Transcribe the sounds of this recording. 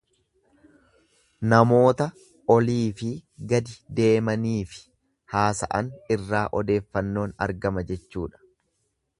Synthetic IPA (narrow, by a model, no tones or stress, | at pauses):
nɐmo̞ːt̪ɐ | ɔliːfɪɡɐd̪ɪd̪e̞ːmɐniːfɪ̥ | haːsɐ̰ʔɐnɪrːaːʔɔd̪e̞ːfːɐnːo̞ːnɐ̰ɾɡɐmɐd͡ʒɛt͡ʃːuːᶑɐ̥